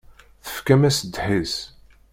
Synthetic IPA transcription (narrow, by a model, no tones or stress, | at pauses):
θə̥fkæmæsəd̪ħis